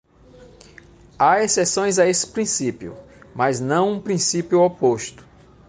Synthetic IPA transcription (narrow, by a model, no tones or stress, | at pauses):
aesesõj̃zaesɪ̥pɾĩsipjʊ̰ | maznɐ̃w̃ũpɾĩsipjʊopoʃt̪ʊ̥